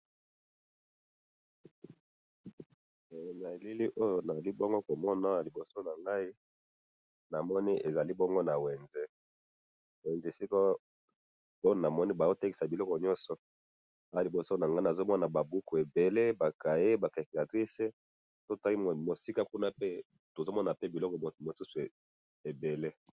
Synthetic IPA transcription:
na˨e˨li˦li˦ʔo˦jo˦na˨za˨li˦bo˦ŋɡo˦ko˨mɔ˦na˦a˨li˨bo˨so˦na˨ŋɡa˦i˦ | na˨mɔ˦ni˦ʔe˨za˨li˦bo˦ŋɡo˦na˨we˨nze˦ | we˨nze˦˨si˦ko˦ | o˦o˨na˨mɔ˦ni˦ba˨zo˦te˦ki˨sa˨bi˨lɔ˦kɔ˨ɲɔ̃˦nsɔ˨ | a˦˨a˨li˨bo˨so˦na˨ŋɡa˦i˦na˨zo˦mɔ˦na˨ba˨bu˦ku˨e˨be˨le˦ba˨ka˨je˦ba˨ka˨ki˨ka˨tʁi˦se˦ | to˦˨ta˦i˦˨mo˨si˦ka˦ku˦na˦pe˦ | to˨zo˦mɔ˦na˨pe˦bi˨lɔ˦kɔ˨mo˨su˦su˨e˨ | e˨be˨le˦

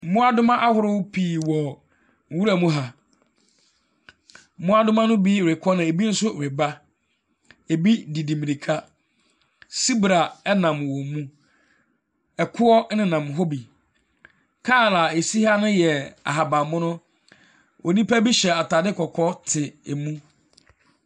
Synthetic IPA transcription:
m̩˦mʊ̃˦a˦dʊ˦mã˦ʔa˦hʊ˦ɾʊ˦wpʰiː˨wɔ˨ | ŋ̩˨wu˦ɾa˨mũ˦ɦa˨˦ | mʊ̃˦a˦dʊ˦mã˦nʊ̃˦bi˦˨ɾe˨kʰɔ˦nã˨e˨bi˦n̩˦sʊ˦˨ɾe˨ba˦ | e˨bi˦di˨di˨mĩ˨ni˨kʰa˦ | si˦bɾa˨ɛ˦nã˨m˨wɔ˨mũ˦ | ɛ˨kʰʊ˦ɔ˦nɪ̃˨nã˨m˨ɦo˦bi˨ | kʰaː˦˨la˨e˨si˦ha˦nʊ̃˦jɛ˨a̰˨ɦa˨ba˨mʊ̃˦nʊ̃˦ | o˨nĩ˦pa˦bi˦ɕɛ˨a˨tʰaː˨dɪ˦kʰɔ˨kʰɔ˦tʰɪ˨e˨mũ˦

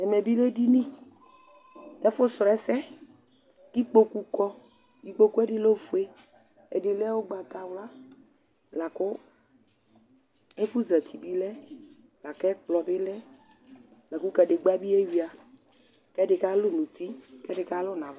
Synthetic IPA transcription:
ɛ˨me˨bi˦le˦di˦nĩ˦ | ɛ˦fʊ˦sɾɛ˦sɛ˦ | ki˦k͡po˦ku˦kɔ˦ | ki˨k͡po˦ku˦e˦ɖi˦lo˦fu˦e˦ | ḛ˨dɪ˨lɛ˦wo˦ɡ͡ba˨t̪a˨wla˦ | la˨kʊ˦ | e˦fu˦zɛ˨t̪ʰi˨bi˦lɛ˦ | la˨kɛ˦k͡plɔ˨bɪ˦lɛ˦ | la˨ku˦kɛ˨ɖe˨ɡ͡ba˦bi˦e˦wi˨a˨ | kɛ˦ɖɪ˨ka˦lʊ˦nũ˨t̪i˦kɛ˦ɖɪ˨ka˦lʊ˦nã˨v

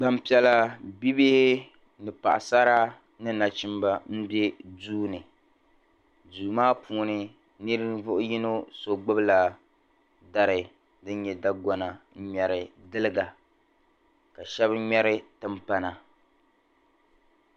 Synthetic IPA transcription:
ɡ͡ba˨m˦pi˨˦ɛ˨la˦bi˦be˦hɪ˦ | nɨ˨pa̰˨ʔa̰˨sa˦ɾa˦ | nɨ˦na˨t͡ʃi˦mba˨m̩˦be˦duː˦nɨ˨ | duː˨maː˦pʰuː˨˦nɨ˨ | nɨ˦ɾɨ˦vʊ˦ʔʊ˦ji˦no˦so˨ɡ͡bɨ˦bla˨ | da˨ɾɨ˨ | dɨ˦ɲɛ˨da˦ɡɔ˨na˨˦ɲɛ˨ɾɪ˨dɨ˦lɨ˦ɡa˨ | ka˨ʃɛ˦bɲɛ˦ɾɨ˦tɨ˦mpa˦na˨

